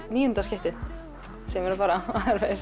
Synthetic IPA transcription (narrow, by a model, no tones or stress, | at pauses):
niːjʏnt̪askcɪht̪ɪ | sɛmɛɾapaːɾaaðɾves